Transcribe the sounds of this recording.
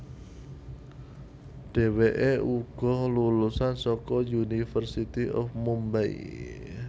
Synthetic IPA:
ɖ̥e̤weʔeuɡ̥ɔ̤hlulusansɔkɔjunifərsit̪iʔɔ̰fmumbaḭ

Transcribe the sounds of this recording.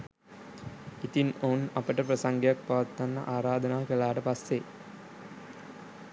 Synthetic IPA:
it̪inoːnɐpəʈəpɾɐsaŋɡejak̚paʋɐt̪ːanːɐ̰ʔaːɾaːd̪ənaːkəlaːʈəpasːe

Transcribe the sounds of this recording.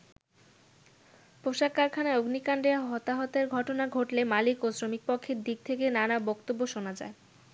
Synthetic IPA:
poʃakaɾkʰanaoɡnikanɖeaɦɔt̪aɦɔt̪eɾɡʱɔʈonaɡʱoʈlemalikosɾomik̚pɔkʰːeɾd̪ik̚t̪ʰekenanabɔkt̪obːoʃonad͡ʑa̰e

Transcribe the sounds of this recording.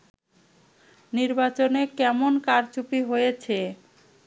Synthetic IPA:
niɾbat͡ɕonekɛmonkaɾt͡ɕupiɦojet͡ɕʰe

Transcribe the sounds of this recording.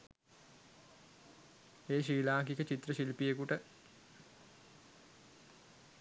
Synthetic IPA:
eːʃiːlaːkikət͡ɕit̪rəʃilpijekuʈə

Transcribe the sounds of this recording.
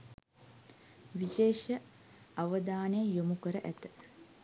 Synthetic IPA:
ʋiʃeːʃə | aʋəd̪aːnəjəjomukəɾəʔæt̪ə̥

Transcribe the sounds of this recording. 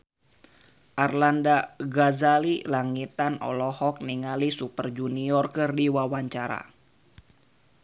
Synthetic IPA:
ʔarlandaɡazalilaŋit̪anɔ̰lɔhɔk̚niŋalisupərd͡ʒuniɔrkɨrdiwawaɲt͡ʃaɾa̰

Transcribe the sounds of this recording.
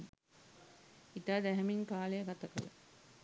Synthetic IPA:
it̪aːd̪æɦɛmiŋkaːlejəɡat̪əkələ̰

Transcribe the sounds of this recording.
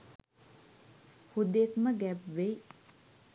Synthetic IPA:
hud̪ekməɡɛpʋej

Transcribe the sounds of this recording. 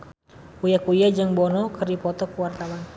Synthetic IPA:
kujakujad͡ʒaŋbɔnɔkərdipɔt̪ɔkəwart̪awan

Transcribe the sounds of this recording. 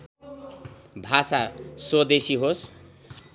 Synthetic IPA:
bʱasasod̪esiɦos

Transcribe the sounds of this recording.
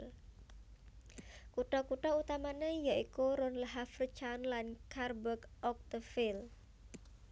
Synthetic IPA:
l | kuɖɔkuɖɔut̪amanəjaʔikuɾʊnləɦafrət͡ʃanlankʰarbəkɔk̚t̪əfɪl

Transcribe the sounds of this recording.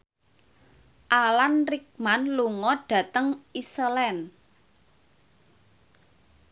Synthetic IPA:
ʔalanrik̚manluŋɔɖ̥ä̤t̪əŋisəlɛn

